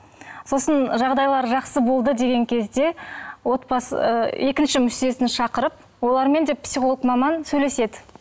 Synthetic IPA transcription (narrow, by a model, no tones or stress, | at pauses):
so̞sənʒɑʁd̪ɑjlˠɑɾʒɑqsəbo̞lˠd̪əd̪e̞ɡʲe̞ŋkʲʰe̞zd̪e̞wo̞t̪pɑse̞kʲɪnʃɪmʏʃt̪e̞sɪnʃɑqəɾəp̚ | wo̞lˠɑɾme̞nd̪e̞psiχo̞lˠəqmɑmɑnsɵjle̞se̞d̪ɪ